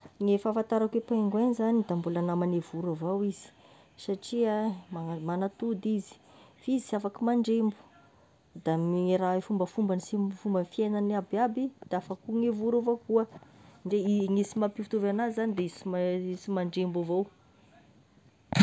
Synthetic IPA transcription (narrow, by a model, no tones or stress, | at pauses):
ŋefafant̪aɾakepaŋɡwenizanid̪ambulanamanevuɾavowiz̥i̥ | saʈ͡ʂiamamanat̪ud̪izi̥ | fizisafakimaɳɖ͡ʐembu̥ | d̪amiɾaefumbəfumbanisimfumbənfienaniabiabid̪̥afakuŋevuɾovokuəɳɖ͡ʐeiŋisimapifut̪uvanazizanid̪eisimisimaɳɖ͡ʐembavow